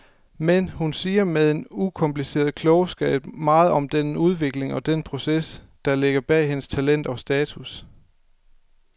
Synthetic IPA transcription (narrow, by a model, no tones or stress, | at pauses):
menhunsiːɐmeðˠe̝nukʰɒ̽mplise̝̰ːɐð̞̩ˠkʰlɔ̽ʊsɡ̥ɛ̰ɪ̥mɑ̈ːð̞̩ˠɒ̽md̥enuð̞ˠʋe̝ɡ̥le̝ŋɒ̽d̥enpʰʁo̝ses | d̥ɑ̈le̝ɡ̥ɐb̥ɛ̰ːɦe̝nəst͡sʰælen̰d̥ɒ̽sd̥ɛːt͡sʰus